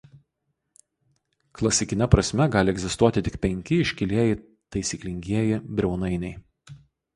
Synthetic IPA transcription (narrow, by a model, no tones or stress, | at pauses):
klˠɐsʲɪkʲɪnʲɛpɾɐsʲmʲɛɡɑːlʲɪɛɡʲzʲɪst̪uɔt̪ʲɪt̪ʲɪkpʲɛŋʲkʲɪɪʃʲkʲɪlʲiɛjɪ | t̪ɐɪsʲiːklʲɪŋʲɡʲiɛjɪbʲɾʲɛʊnɐɪnʲɛɪ